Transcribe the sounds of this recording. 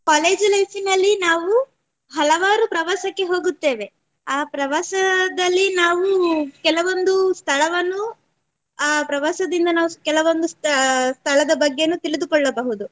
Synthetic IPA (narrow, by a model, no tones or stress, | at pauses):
kaːle̞ːd͡ʒlɐjsinɐlːinaːʋu | ɦɐlɐʋaːɾupɾɐʋaːsɐkːe̞ɦo̞ːɡut̪ːe̞ːʋe̞ | aːpɾɐʋaːsɐd̪ɐlːinaːʋukɛlɐʋo̞nd̪ust̪ʰɐɭɐʋɐnːu | aːpɾɐʋaːsɐd̪ind̪ɐnaːʋukɛlɐʋond̪usst̪ʰɐɭɐd̪ɐbɐɡːe̞nut̪iɭid̪ukɔɭːɐbɐɦud̪u